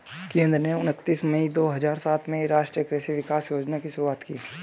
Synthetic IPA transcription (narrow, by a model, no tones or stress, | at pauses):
kẽːnd̪ɾneʊnət̪ːiːsməid̪oːɦɐzaːɾsaːt̪ʰmẽɾaːʃʈɾijəkɾɛːsiʋɪkaːsjoːd͡ʒnakiʃʊɾuaːt̪kḭː